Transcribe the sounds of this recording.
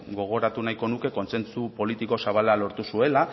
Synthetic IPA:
ɡo̞ɣ̞o̞ɾat̪unajko̞nuke̞ko̞nsent͡supo̞lit̪iko̞saβ̞alalo̞ɾt̪usue̞la

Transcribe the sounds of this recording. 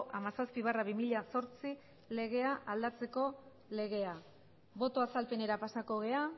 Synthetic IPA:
ʔamasaspiβ̞araβimiʎaso̞ɾt͡si | le̞ɣ̞e̞aʔald̪at͡se̞ko̞ | le̞ɣ̞e̞a | βo̞t̪o̞asalpe̞ne̞ɾapasako̞ɣe̞a

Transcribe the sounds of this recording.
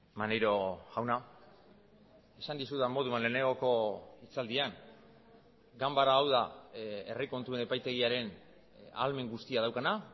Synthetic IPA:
manejɾo̞ɣawna | e̞sand̪isuðamo̞ð̞uanle̞ːne̞ŋɡo̞ko̞it͡sald̪iaŋ | ɡambaɾaːwðae̞riko̞nt̪ue̞ne̞pajt̪e̞ɣ̞iaɾe̞n | a̰lme̞ŋɡust̪iað̞awkana

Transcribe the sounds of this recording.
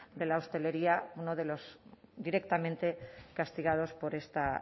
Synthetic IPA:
d̪e̞laost̪e̞le̞ɾiaunoð̞e̞lo̞sd̪iɾe̞kt̪amẽnt̪e̞kast̪iɣ̞að̞o̞spo̞ɾe̞st̪a

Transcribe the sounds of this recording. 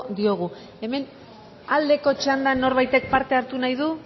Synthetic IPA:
d̪io̞ɣ̞u | e̞me̞n | ald̪e̞ko̞t͡ʃand̪anːo̞ɾβajt̪e̞k̚paɾt̪e̞aɾt̪unajðu

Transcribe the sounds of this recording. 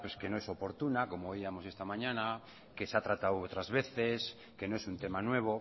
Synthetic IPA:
pweskenoesopoɾt̪unakomoːiamosest̪amãɲãna | kesat̪ɾat̪awot̪ɾazβeθes | kenoesunt̪emanweβ̞o

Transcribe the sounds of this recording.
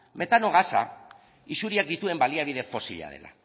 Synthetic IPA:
me̞t̪ano̞ɣasa̰ | isuɾiak̚d̪it̪ue̞mbaliaβ̞iðe̞fo̞siʎa̰ð̞e̞̰la̰

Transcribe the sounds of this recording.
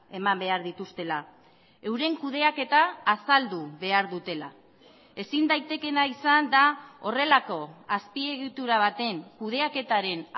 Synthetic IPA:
e̞mambe̞aɾðit̪ust̪e̞la | e̞wɾe̞ŋkuð̞e̞ake̞t̪aːsald̪uβe̞aɾðut̪e̞la̰ | e̞sind̪ajt̪e̞ke̞naisand̪ao̞re̞lako̞aspie̞ɣit̪uɾaβ̞at̪e̞ŋkuð̞e̞ake̞t̪aɾe̞n

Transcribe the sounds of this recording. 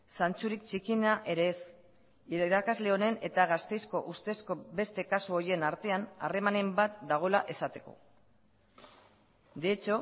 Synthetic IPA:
sant͡suɾikt͡ʃikinaʔeɾeːs | iɾakazle̞o̞ne̞ne̞t̪aɣast̪e̞jsko̞ʔust̪e̞sko̞be̞st̪e̞kasuoɾje̞naɾt̪e̞anare̞mane̞mbat̪d̪aɣ̞o̞laʔe̞sat̪e̞ko̞̰ | d̪eet͡ʃo̞

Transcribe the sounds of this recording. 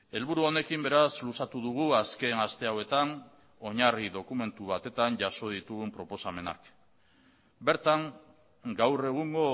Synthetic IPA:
e̞lβuɾuo̞ne̞kimbe̞ɾaslusat̪uðuɣ̞uaske̞nast̪e̞awe̞t̪an | o̞ɲariðo̞kume̞nt̪uβat̪e̞t̪aɲʝaso̞ð̞it̪uɣumpɾo̞po̞same̞na̰k | be̞ɾt̪aŋ | ɡawre̞ɣ̞uŋɡo

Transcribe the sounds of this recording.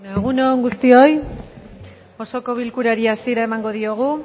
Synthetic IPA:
eɣ̞unoŋɡust̪io̞j | o̞so̞ko̞β̞ilkuɾaɾiasiɾaemaŋɡo̞ðio̞ɣ̞u

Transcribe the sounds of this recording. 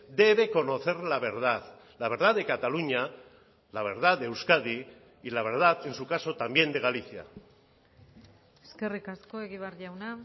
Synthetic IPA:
d̪e̞β̞e̞ko̞no̞θe̞ɾlaβ̞e̞ɾð̞að | laβ̞e̞ɾð̞aðe̞kat̪aluɲa | laβe̞ɾðaewskaði | ilaβ̞e̞ɾð̞aðe̞nsukaso̞t̪ambje̞nd̪e̞ɣaliθja̰ | eske̞rikasko̞eɣiβaɾʎawna

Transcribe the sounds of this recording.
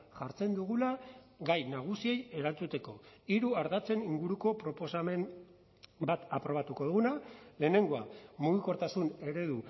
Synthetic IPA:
ʝaɾt͡se̞nd̪uɣulaɣajnaɣ̞usie̞je̞ɾalt͡sut̪e̞ko̞iɾuaɾðat͡se̞niŋɡuɾuko̞pɾo̞po̞same̞m | bat̪apɾo̞β̞at̪uko̞ðuɣunale̞ːne̞ŋɡo̞amuɣ̞iko̞ɾt̪asune̞ɾe̞ðu

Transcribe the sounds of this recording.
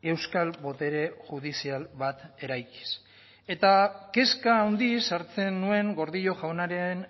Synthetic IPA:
e̞wskalβo̞t̪e̞ɾe̞ʝuð̞isialβat̪e̞ɾajki̥s | e̞t̪ake̞skaːwnd̪isaɾt͡se̞nːue̞ŋɡo̞ɾðiʎo̞ʝawnaɾeen

